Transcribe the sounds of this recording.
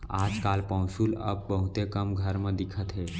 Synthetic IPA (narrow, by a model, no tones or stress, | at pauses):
ad͡zkalpə̃wɕuːlə̰b̚ːəɦut̪ekəmɡʱəɾməd̪ikʰət̪ɦe